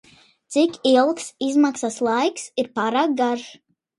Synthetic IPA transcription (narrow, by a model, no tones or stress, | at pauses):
t̪sikilˠksizmaksaslˠajksiɾpaːɾaːk̚ɡaɾ